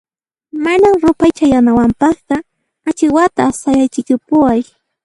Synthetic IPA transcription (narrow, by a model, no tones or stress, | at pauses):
manamɾʊpajt͡ʃajanawampɑχt̪ɑ | at͡ʃɪwat̪asajajt͡ʃɪkʊpʊwaj